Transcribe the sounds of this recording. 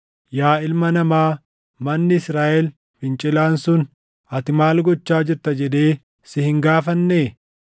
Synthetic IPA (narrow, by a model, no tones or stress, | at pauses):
jaːɪlmɐnɐmaː | mɐnːɪɪsɾaːʔɛl | fɪnt͡ʃʼɪlaːnsʊn | ɐt̪ɪmaːlɡɔt͡ʃːaːd͡ʒɪɾt̪ɐd͡ʒɛd̪e̞ː | sɪhɪŋɡaːfɐnːeː